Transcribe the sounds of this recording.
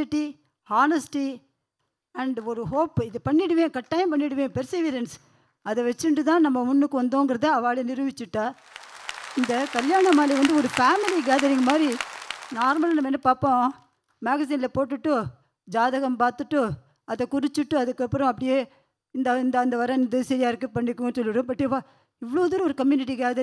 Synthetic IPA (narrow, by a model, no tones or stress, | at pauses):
ɪʈːi | aːnɐsʈi | ɐɳɖɔɾɯɦoːpːɪðɯpɐɳːɪɽɯʋẽːkɐʈːaːjɪ̃mpɐɳːɪɽɯʋẽːpɛɾsiʋɪɾɐns | ɐðɛʋɛt͡ʃːɯɳɖɯt̪ãːnɐmːɐmʊɳːɯkːɯʋɐnd̪õːɪŋɡɪɾɐðɯɐʋaːɭenɪɾɯʋɪt͡ʃːɯʈːaː | ɪnd̪ɐkɐljaːɳɐmaːliʋɐnd̪ɯɔɾɯfaːmɪliɡaːðɐɾiŋɡɐmaːd̪ɾinaːɾmɐlaːnɐmːɐɛnːɐpaːpõː | maːɣɐs̬iːnɪlɐpoːʈːɯʈːɯ | d͡ʒaːðɐɣɐmpaːɾt̪ɯʈːɯ | ɐðɛkʊɾɪt͡ʃːɯʈːɯɐðɯkːɐpːɯɾɐ̃ɐp̬ːɐɽɪjeː | ɪnd̪ɐɪnd̪ɐːnd̪ɐʋɐɾɐ̃nd̪ɯsɐɾɪjaːɪɾɯkːɯpɐɳːɪkːʊ̃nsɔlːɪɽɯ̃ːpɐʈːɯpaː | ɪʋɐɭoːðɐɾɯ̃ɔɾɯkɐmjʊːnɪʈ̬ːiɡeːðɐ